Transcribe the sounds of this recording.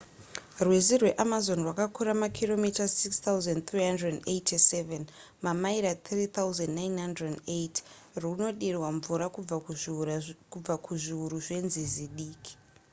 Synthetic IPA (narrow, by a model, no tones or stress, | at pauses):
rwezirwe̞ʔamazo̞nrwakakuɾamakʰiro̞mitasikst̪auzant̪riɦandredenejtiseven | mamaiɾat̪ʰrit̪auzandnajnɦandrendejt | runo̞ɗirwaɱvuɾakub͡va | kub͡vakʰuʐiuɾuʐe̞nziziɗiːki̥